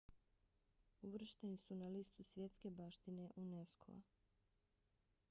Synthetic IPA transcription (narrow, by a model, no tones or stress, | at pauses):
uʋr̩ʃt̪enisunaliːst̪usʋje̞t̪ske̞baːʃt̪ine̞ʔuneskʰo̰a̰